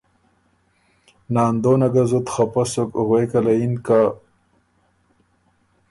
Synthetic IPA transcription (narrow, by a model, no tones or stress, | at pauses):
naːnd̪oːnɐɡazut̪χapɐsokoɣwekɐlainka